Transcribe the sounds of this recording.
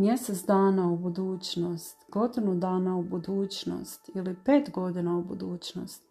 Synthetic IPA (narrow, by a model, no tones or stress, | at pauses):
mje̞set̪sd̪aːnaubud̪uːt͡ɕnost̪ɡo̞d̪inud̪aːnaubud̪uːt͡ɕno̰st̪ilipe̞ːt̪ɡo̞d̪inaubud̪uːt͡ɕno̰st̪